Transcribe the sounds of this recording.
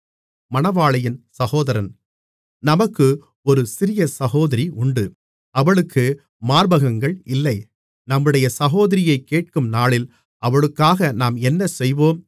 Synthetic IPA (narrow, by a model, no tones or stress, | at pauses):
mɐnɐʋaːɭɐjɪnsɐɣoːðɐɾɐn | nɐmɐkːɯ | ɔɾɯsɪɾɪjɐsɐɣoːðɐɾiʔʊɳɖɯ | ɐʋɐɭɯkːɯ | maːɾbɐɣɐŋɡɐɭɪlːɐɪ | nɐmːɯɽɐjɐsɐɣoːðɐɾɪjɐɪkːeːʈ̚kɯmnaːɭɪl | ʔɐʋɐɭɯkːaːɣɐnaːmɛnːɐsɛjʋoːm